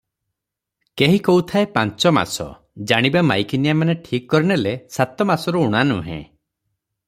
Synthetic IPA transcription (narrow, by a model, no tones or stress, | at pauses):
keɦikɔut̪ʰaepant͡ʃɔma̰sɔ̰ | d͡ʒaɽ̃ibamajkinijamaneʈʰikkːɔɾinelesat̪ɔmasɔɾuuɽ̃anṵɦḛ̃